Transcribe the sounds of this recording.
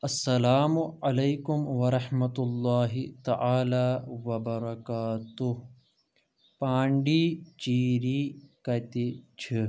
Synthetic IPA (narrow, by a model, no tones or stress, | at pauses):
ɐsːɐlaːmʊɐlejkʊmʋɐɾɐħmɐt̪ulːaːɦit̪ɐʔaːlaːʋɐbɐɾɐkaːt̪uh | pãːɳɖiːt͡ʃiːɾiːkɐt̪it͡ʃʰi